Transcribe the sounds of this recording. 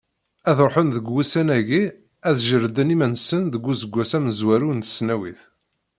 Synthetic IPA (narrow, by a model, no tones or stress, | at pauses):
æðɾˤħənðəɡwusænæʝi | æðʒəɾd̪ənimænsənðəɡʷːusəɡʷːæsæməzwæɾunt̪ə̥snæwḭθ